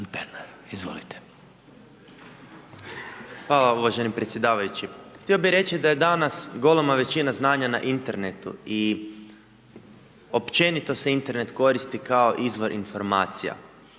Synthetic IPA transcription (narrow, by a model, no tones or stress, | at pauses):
penaɾ | izʋo̰lit̪e̥ | xʋaːlˠauʋaʒenipɾet̪sʲje̞d̪aːʋajut͡ʃixt̪io̞biɾe̞t͡ʃid̪aje̞d̪anasɡo̞lˠomaʋe̞t͡ʃinaznaːɲana̰ʔint̪e̞ɾnet̪ṵi | o̞pt͡ʃe̞nit̪o̞seint̪e̞ɾne̞t̪ko̞ɾist̪ikao̞ʔizʋo̞ɾʔḭnfo̞ɾmaːt̪sija̰